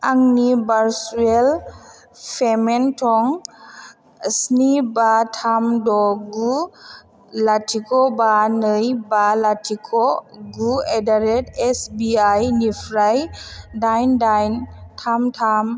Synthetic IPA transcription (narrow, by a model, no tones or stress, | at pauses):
aŋnibaɾsuɛl | pʰɛmɛntʰɔŋ | snibatʰamdɔɡu | latʰikʰɔbanəjbalatʰikʰɔɡuɛdaɾɛtɛsbiajnipʰɾajdajndajntʰamtʰam